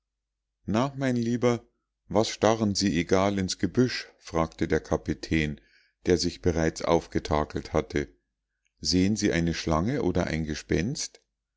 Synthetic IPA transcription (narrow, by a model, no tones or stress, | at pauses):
naːχmaɪnliːbɐ | vasʃtaʁənziːʔeɡaːlɪnsɡ̥əbʏʃfʁ̥aːktədeːɐkʰapitʰɛːn | d̥eːɐzɪçb̥əʁaɪt͡sʔa̰ʊfɡ̥ətʰaːkl̩thatʰə | zeːənziːʔa̰ɪnəʃlaŋəʔoːdɐ̰ʔa̰ɪnɡəʃpɛ̰nst